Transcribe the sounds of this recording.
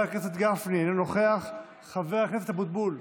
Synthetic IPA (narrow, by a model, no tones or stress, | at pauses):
akneset̪ɡafnianinoχe̞aχː | aveakeset̪habut̪̚bul